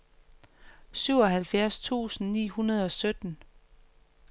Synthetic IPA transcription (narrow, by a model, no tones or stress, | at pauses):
syʊ̰ɒ̽ɦælfjæɐst͡sʰṵːsn̩nḭːhunɐð̞ˠɒ̽sød̥n̩